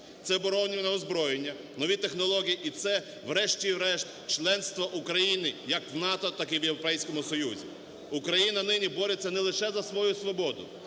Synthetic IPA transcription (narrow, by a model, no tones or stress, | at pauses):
t̪sɛbɔɾɔwnʲiʋnɐɔzbɾɔjenʲːɐ | nɔʋʲit̪exnɔlˠɔɦʲijiʔit̪sɛ | ʋɾɛʃt͡ʃʲiwɾɛʃt̪ | t͡ʃlˠɛnst̪ʋɐʔukɾɐjinɪjɐkwnɑt̪ɔt̪ɑkiwjewɾɔpɛjsʲkɔmʊsɔjuzʲḭ | ukɾɐjinɐnɪnʲibɔɾet͡sʲːɐnɛlˠɪʃɛzɐsʋɔjusʋɔbɔd̪ʊ